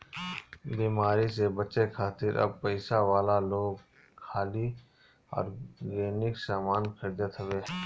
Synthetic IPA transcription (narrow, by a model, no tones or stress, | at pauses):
biːmaːɾisebəʃekʰaːt̪ɪɾʔɐ̰b̚pəɪsaʋaːlaloːɡ | kʰːaːli | ɔ̰ːɾɡeːnɪksaːmaːnkʰəɾd͡ʒət̪ɦəʋeː